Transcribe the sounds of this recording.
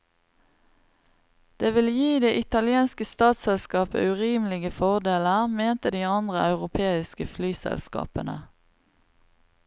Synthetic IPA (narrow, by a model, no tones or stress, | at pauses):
d̪̥eːʋɪljiːd̪eːʔɪt̪ɑlɪeːnskəst̪ɑːt̪sɛlskɑːpə̰ʉʁiːmlɪɡəfɔʁd̪eːləʁmeːnt̪əd̪iːɑnd̪ʁəɑʉʁʊpʰeːɪskəflyːsɛ̰lskɑ̰ːpənə̰